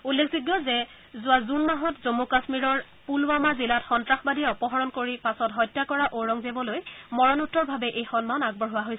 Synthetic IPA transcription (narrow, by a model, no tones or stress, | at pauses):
ulːekʰziɡjɔzɛ | zʊazunmaɦɔtzomukasmiɹɔɹ | pulwamazilatxɔntɹaxbadijɛɔpɔɦɔɹɔnkoɹipasɔtɦɔjtːakɔɹaʔoɹɔŋzebɔlojmɔɹɔnutːɔɹbʱabɛʔejxɔnmanaɡ̚bɔɹɦʊwaɦojs